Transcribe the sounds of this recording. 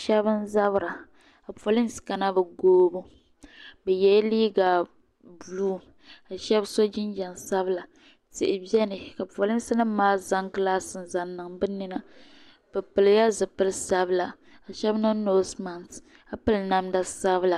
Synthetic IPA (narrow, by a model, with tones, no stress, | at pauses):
ʃɛ˦bɨ˦n˦za˦bɾa˨ | ka˨po˨lɪ˦m˦ska˨na˦bɨ˨ɡoː˦bu˦ | bɛ˨jɛ˦liː˦ɡa˨ | bluː˦ | ka˨ʃɛ˦bso˦d͡ʒɪ˦nd͡ʒɛ˨nsa˦bɨ˦la˨ | tɪ̰˨ʔɪ˨bɛ˦nɨ˨ka˨po˨lɪ˦m˦sɨ˦nɨ˦maː˦za˦ŋkɨ˦laː˦sɨ˨n˨za˨nːɨ˨ŋbɨ˦ni˦na˦ | bɨ˨pɨ˨lja˦zɨ˨pɨ˦lɨ˦sa˦bɨ˦la˨ | a˨ʃɛ˦bnɨ˦noː˦sma˨nt | a˦pɨ˦lna˦mda˨sa˦bla˨